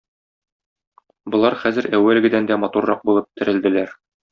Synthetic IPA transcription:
bŏlˠɑɾχæzɘ̆ɾæwːælɡɘ̆d̪ænd̪æmɒt̪uɾːɑq̚bulˠɤp̚t̪ɘ̆ɾɘ̆ld̪ɘ̆læɾ

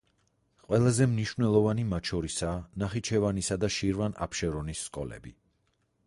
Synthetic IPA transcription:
qʼwɛlˠazɛmniʃvnɛlˠɔvanimat̪ʃʰɔɾisaːnaχit͡ʃʰɛvanisad̪aʃiɾvana̰pʰʃɛɾɔnisːkʼɔ̰lɛ̰bi

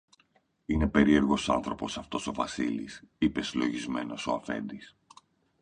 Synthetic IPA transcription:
ine̞pe̞ɾie̞ɾɣo̞sɐ̰nθɾo̞po̞sɐft̪o̞so̞vɐsilḭsipe̞silo̞ʝizme̞no̞so̞ɐfe̞̰nd̪is

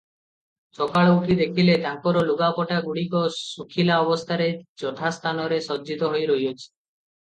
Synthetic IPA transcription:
t͡ʃɔkaɭouʈʰid̪ekʰilet̪aŋkɔɾoluɡapɔʈaɡuɽikɔsukʰilaɔbost̪ʰaɾed͡ʒɔt̪ʰast̪ʰanɔɾesɔdd͡ʒit̪ɔɦojɾojot͡ʃʰi̥

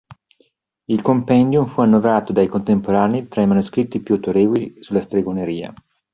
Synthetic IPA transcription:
ilkompɛnd̪jumfuanːovɾaːt̪od̪ajkont̪empoɾaːnit̪ɾaimanuskɾit̪ːipjuat̪oɾeːvolisulːast̪ɾeɡoneɾiːa̰

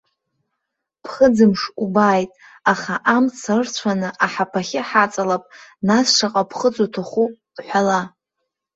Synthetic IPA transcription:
pʰχəd͡zɨmʂubaːjtʼ | aχaʔamt͡sʰarrt͡ɕʷʰanɨʔaħapʰaχʲɪħat͡sʼalapʼnasʂaqʼapʰχət͡sʷʼotʰaχu̥ | ħʷala

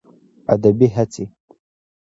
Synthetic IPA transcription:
a̰dabiɦatʰi

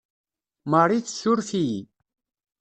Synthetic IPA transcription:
mərˤiθsʊɾfi

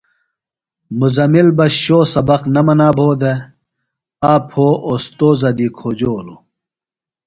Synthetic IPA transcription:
muzɐmilbɐɕoːsɐbɐqnɐmɐnaːbʱoːd̪e | aːpʰoːʔost̪oːzɐd̪ikʰoːd͡ʑoːlo

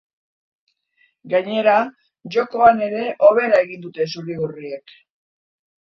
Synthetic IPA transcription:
ɡaɲe̞ɾa | ʝo̞ko̞ane̞ɾe̞ʔo̞β̞e̞ɾae̞ɣind̪ut̪e̞suɾiurie̞k

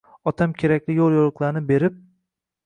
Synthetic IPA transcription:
ɒt̪ʰamkʲʰe̞ɾakʲlɪjolˠjolˠɨqlˠaɾnɪbe̞ɾɪp̚

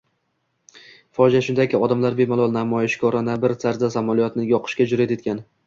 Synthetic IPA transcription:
fɒd͡ʒaʃʊnd̪akʲɪɒd̪amlaɾbemalˠɒlˠnamɒjɪʃkʲʰɒɾanabɪɾsʰaɾzasamɒlˠijɒt̪nɪjɒqʰɨ̥ʃkʲad͡ʒʊɾat̪e̞t̪̚kʲʰan

